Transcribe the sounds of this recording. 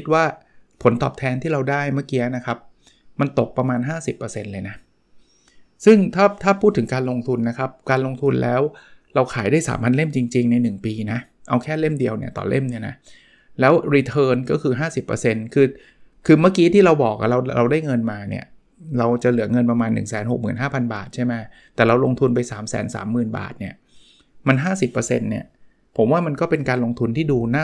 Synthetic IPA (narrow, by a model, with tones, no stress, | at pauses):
kʰi˦˥t̪̚waː˥˩pʰo˩˦nt̪ɔ̰ː˨˩p̚t̪ʰɛː˧nt̪ʰiː˥˩ɾa˧wdaː˥˩jmaː˥˩kiː˧a˦˥na˦˥kʰa˦˥p̚ | ma˧nt̪o˨˩k̚pɾa˧maː˧nɦaː˥˩si˨˩pːɤː˧se˧nlɤː˧jna˦˥ | sɯ˥˩ŋt̪ʰaː˥˩t̪ʰaː˥˩pʰuː˥˩t̪ʰːɯ˩˦ŋkaː˧nlo˧ŋt̪ʰu˧nːa˦˥kʰa˦˥p̚kaː˧nlo˧ŋt̪ʰu˧nlʔɛ̰ː˦˥wɾa˧wkʰaː˩˦jdaː˥˩jsa̰ː˩˦mpʰa˧nle˥˩mt͡ɕi˧ŋt͡ɕi˧ŋna˧jnɯ˨˩ŋpiː˧na˦˥ | ʔa˧wkʰɛː˥˩le˥˩mdi˧əwni˥˩ɐt̪ɔ̰ː˨˩lʔḛ˥˩mni˥˩ɐna̰˦˥ | lɛː˦˥wɾiː˧t̪ʰɤː˧nkɔː˥˩kʰɯː˧ɦaː˥˩si˨˩pːə̰˧se˧nkʰɯː˧ | kʰɯː˧maː˥˩kiː˦˥t̪ʰiː˥˩ɾa˧wbɔː˨˩k̚a̰˨˩ɾa˧wɾa˧wdaː˥˩jŋɤ˧nmaː˧nḭ˥˩ɐ | ɾa˧wt͡ɕa˨˩lɯ˩˦ɐŋɤ˧npa˧maː˧nːɯ̰˨˩ŋsɛː˩˦nho˨˩k̚mɯː˨˩nɦaː˥˩pʰa˧nba̰ː˨˩t̪̚t͡ɕʰa˥˩jma˦˥ | t̪ɛː˨˩ɾa˧wlo˧ŋt̪ʰu˧npa˧jsa̰ː˩˦msɛ̰ː˩˦nsa̰ː˩˦mːɯː˨˩nba̰ː˨˩t̪̚ni˥˩ɐ | ma˧nɦaː˥˩si˨˩pːəː˧se˧nːi˥˩ɐ | pʰo˩˦mwaː˥˩ma˧nkɔː˥˩pe˧nkaː˧nlo˧ŋt̪ʰu˧nt̪ʰiː˥˩duː˧naː˥˩